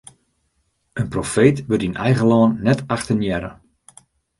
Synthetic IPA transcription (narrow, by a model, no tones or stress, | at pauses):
ənprofeːtʋətinɛjɣəlɔːnːɛtaxtənjɛɾə̰